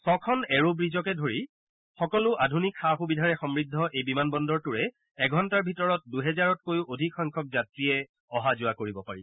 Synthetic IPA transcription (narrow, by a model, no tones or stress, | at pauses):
sɔkʰɔnɛɹobɹizɔkɛdʱoɹi | xɔkɔlʊʔadʱunikxaxubidʱaɹɛxɔmɹidʱːɔʔejbimanbɔndɔɹtuɹɛː | ɡʱɔntaɹbʱitɔɹɔt̚duɦɛzaɹɔt̚kojuʔodʱikxɔjŋkʰɔk̚zatɹiɛ | ɔɦazʊakoɹibɔpaɹi